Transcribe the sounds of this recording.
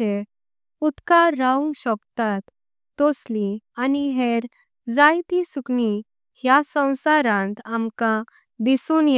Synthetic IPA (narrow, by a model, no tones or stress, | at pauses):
e | ut̪kaɾːaũŋɡɕɔbt̪at̪ː | oslianiɦeɾ | d͡zajt̪isukni | ɦjasə̃w̃saɾãnt̪amkã | d̪isuːnj